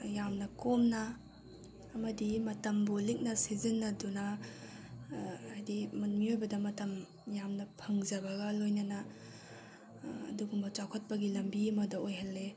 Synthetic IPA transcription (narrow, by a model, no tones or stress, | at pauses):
jamnɐkomnɐː | mɐdimɐtɐmbulik̚nɐsizinːɐdunɐ | ajdimɐnmiojbɐdɐmɐtɐm | jamnɐpʰɐŋzɐbɐɡɐlojnɐnɐ | ɐ̰duɡumbɐt͡ʃawkʰɐt̚pɐɡilɐmbiɐmɐdɐojɦɐlːe